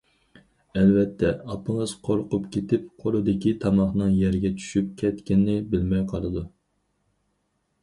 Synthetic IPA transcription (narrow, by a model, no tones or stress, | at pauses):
ɛlvɛt̪ʰːɛɑpɨŋəz̥qʰoɾqʊpkʲet̪ʰɪp̚qʰolˠɨd̪ɪkʲit̪ʰɑmɑχnɨŋjɛɾɪɡʲɛt͡ʃʰy̥ʃyp̚kʲʰɛt̪kʲɪnːɪbɪlmɛjqʰɑlˠɨd̪u